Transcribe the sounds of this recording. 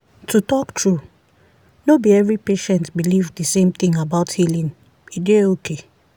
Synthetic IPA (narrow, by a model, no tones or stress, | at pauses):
tʰutɔk̚tʰɹu | nobiɛvɹipeʃɛ̃ntbilivdəsẽmθĩŋabaʊthilĩŋ | ideokʰe